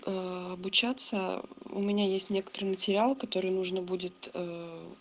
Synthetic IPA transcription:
ɐbʊt͡ɕat̪səʊ̰mʲɪnʲajesʲtʲnʲe̞kə̥t̪əɾɨjmətʲɪɾʲɪalˠkɐt̪o̞ɾɨjnuʐnəbudʲɪt̪ə

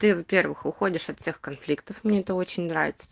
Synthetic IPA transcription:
t̪ɨvɐpʲe̞rvɨxʊxo̞dʲɪʂɐt̪fsʲexkɐnflʲikt̪əfmnʲeɛt̪əo̞t͡ɕɪnʲnɾa̰vʲɪt̪sə̥

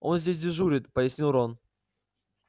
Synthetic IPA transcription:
o̞̰nzʲdʲes̬ʲdʲɪʐuɾʲɪt̪pəjɪsʲnʲilˠɾon

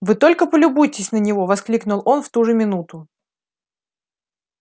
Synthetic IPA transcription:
vɨt̪o̞lʲkəpəlʲʊbujɪtʲɪsʲnənʲɪvo̞vɐsklʲiknʊlˠo̞nft̪uʐɨmʲɪnut̪ʊ

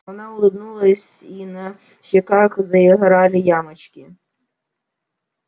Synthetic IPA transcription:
ʋɔnɑɔlˠɪbnulˠɐsʲ | inɐ | ʃɐkɑxzɐjɐɦɾɑlʲɪjɑmɐt͡ʃkʲɪ

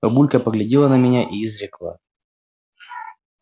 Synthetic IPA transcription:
ɐbulʲkəpəɡlʲɪdʲilˠənɐmʲɪnʲaʔiːzɾʲɪklˠa̰

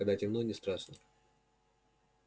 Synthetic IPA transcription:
ɐɡd̪atʲɪmnonʲɪst̪ɾaʂnə

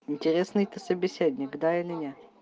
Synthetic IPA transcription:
ɪnʲtʲɪɾʲesnɨjt̪əsəbʲɪsʲedʲnʲɪɡd̪aɪlʲɪnʲe

